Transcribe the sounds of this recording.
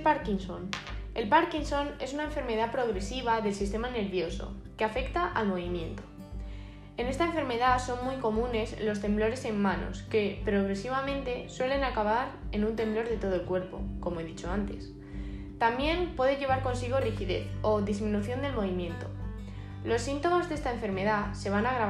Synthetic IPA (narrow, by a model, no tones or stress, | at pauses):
paɾkinsone̞lpaɾkinso̞ne̞sunae̞ɱfe̞ɾmeð̞apɾo̞ɣɾe̞siβ̞aðe̞lsist̪e̞mane̞ɾβjo̞so̞̰ | ke̞afe̞kt̪aʔalmo̞β̞imjẽ̞nt̪o̥ | e̞ne̞st̪aeɱfe̞ɾme̞ðaso̞nmujko̞mũne̞slo̞st̪e̞mblo̞ɾe̞se̞mːãno̞̰ske̞pɾo̞ɣ̞ɾe̞siβ̞amẽ̞nt̪e̞swe̞le̞nakaβaɾe̞nũnt̪e̞mblo̞ɾðe̞t̪o̞ð̞oe̞lkwe̞ɾpo̞̰ko̞moe̞ðit͡ʃo̞ant̪e̞s | t̪ambje̞npwe̞ðe̞ʎe̞β̞aɾko̞nsiɣ̞o̞rixiðe̞̰θo̞ðizmĩnuθjo̞nd̪elmo̞β̞imjẽ̞nt̪o̞ | lo̞sːint̪o̞mazðe̞st̪aeɱfe̞ɾme̞ðase̞β̞anaɣɾaβ